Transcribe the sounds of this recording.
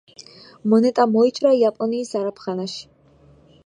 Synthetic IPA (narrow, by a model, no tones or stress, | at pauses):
mɔnɛt̪ʼamɔit͡ʃʼɾajapʼɔniːsaɾapʰχanaʃi̥